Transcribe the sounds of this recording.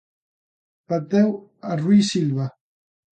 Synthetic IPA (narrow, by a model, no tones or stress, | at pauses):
pad̪ɛwaruisilβa